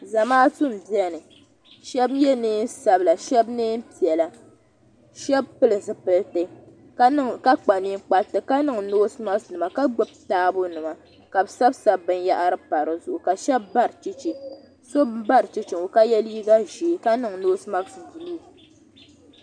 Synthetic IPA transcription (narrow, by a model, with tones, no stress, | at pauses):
za˨maː˦tʊ˦m˨bi˨˦ɛ˦nɨ˨ | ʃɛ˦bjɛ˦neː˦n˦sa˦bla˨ʃɛ˦bneː˦n˦pi˨ɛ˨la˨ | ʃɛ˦b̚pɨ˦lɨ˨zɨ˨pɨ˨ltɨ˦ | ka˦ka˦k͡pa˨ni˦ŋ˦k͡pa˨ltɨ˨ka˦nɨ˦ŋnoː˦sma˦snɨ˨ma˨ka˦ɡ͡bʊ˦b̚taː˦bʊ˦nɨ˨ma˨ | ka˨bsa˦bsa˦bbɨ˦n˦ja˦ʔa˦ɾɨ˦pa˨ɾɨ˨zʊ˦˨ʔʊ˨ka˨ʃɛ˦bːa˦ɾɨ˨t͡ʃi˦t͡ʃi˨ | so˦bba˦ɾɨ˨t͡ʃi˦t͡ʃi˨ŋo˨ka˦jɛ˦li˦i˦ɡa˦ʒi˨ka˦nɨ˨ŋnoː˦sma˦ksdi˨lu˦˨